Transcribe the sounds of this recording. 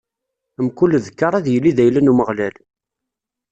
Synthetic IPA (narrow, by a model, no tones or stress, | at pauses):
əmkulːðəkːəɾˤæðjəlːiðæjlənuməʁlæl